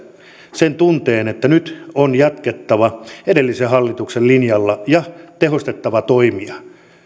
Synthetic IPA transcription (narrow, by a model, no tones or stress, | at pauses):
sent̪unt̪eːnet̪ːænyt̪onjɑt̪ket̪ːɑʋɑedelːisehɑlːit̪uksellinjɑlːɑjɑt̪ehost̪et̪ːɑʋɑt̪oimiɑ